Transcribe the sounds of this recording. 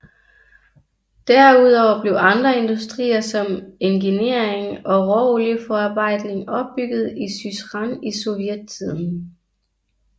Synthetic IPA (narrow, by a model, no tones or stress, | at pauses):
d̥æɐuð̞ˠɒʊɐb̥le̝ʊɑ̈nd̥ʁɐe̝nd̥usd̥ʁḭːɐsɒ̽me̝ŋɡ̥ine̝ɐ̰eŋɒ̽ʁɒoliəfɒɑ̈b̥ɑ̈ɪ̰d̥ne̝ŋɒ̽b̥̚ːyɡ̥ð̩ˠisysʁɑniso̝ʋjed̥̚t͡sʰið̰ˠn̩